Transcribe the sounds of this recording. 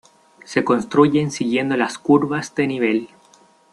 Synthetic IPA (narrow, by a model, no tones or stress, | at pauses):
se̞ko̞nst̪ɾuʝe̞nsiɣje̞nd̪o̞laskuɾβazd̪eniβ̞e̞l